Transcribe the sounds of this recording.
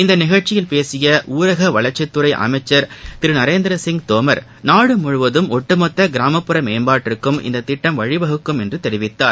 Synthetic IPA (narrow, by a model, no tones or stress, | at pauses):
ɪnd̪ɐnɪɣɐɻt͡ʃɪjɪlpeːsɪjɐʔuːɾɐɣɐʋɐɭɐɾt͡ʃɐt̪ːɯɾɐɪʔɐ̰mɐɪt͡ʃːɐɾt̪ɪɾɯnɐɾeːnd̪ɪɾɐsɪŋɡt̪oːmɐɾ | naːɽɯmʊɻʊʋɐðɯmɔʈːɯmɐt̪ːɐɡɪɾaːmɐpːɯɾɐmeːnbaːʈːɪɾɯkːɯmɪ̰nd̪ɐt̪ːɪʈːɐmʋɐɻɪʋɐɣɯkːɯmɛndrɯt̪ɛɾɪʋɪt̪ːaːɾ